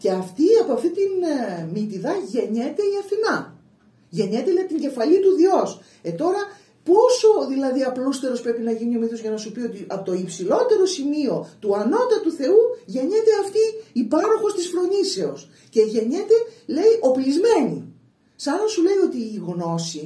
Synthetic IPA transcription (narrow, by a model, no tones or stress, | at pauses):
ce̞ɐft̪iɐpoɐft̪it̪inmit̪iðɐʝe̞ɲe̞t̪e̞iɐfinɐ | ʝe̞ɲe̞t̪elejit̪iɲɟe̞fɐlit̪uðio̞s | e̞t̪o̞ɾɐ | po̞so̞ðilɐðiɐplust̪e̞ɾopɾe̞pinɐʝinio̞miθozʝɐnɐsupio̞t̪iʔɐpot̪oipsilo̞t̪e̞ɾo̞simio̞t̪uɐno̞t̪ɐt̪uθe̞uʝe̞ɲe̞t̪e̞ɐft̪iːpɐɾo̞xo̞st̪isfɾo̞ɲise̞o̞s | ce̞ʝe̞ɲet̪e̞le̞iʔo̞plizme̞nḭ | sɐnɐsule̞jo̞t̪iːɣno̞si